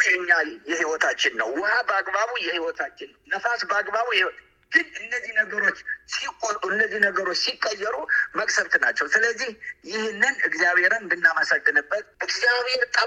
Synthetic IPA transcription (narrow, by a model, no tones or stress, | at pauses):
ɲːajɛhiwɔt̪ʰat͡ʃːɪnːəwːɔhabəaɡbaβujɛhiwɔt̪ʰat͡ʃːɪnːəwnəfasbəaɡbaβuhiwɔt̪ʼ | ɡ̥ɨnɨnːəzːihnəɡəɾo̞t͡ʃːsikʼoɨnːəzːihnəɡəɾo̞t͡ʃːsikʼːəjːɛɾuməkʼsəɾt̪nat͡ʃːɛwsɨləzːihjɪhnːɨnɨɡzijaβe̞ɾənbɨnːaməsəɡːɨnɨbːət̪̚ʔɨɡzjaβhe̞ɾt̪ʼə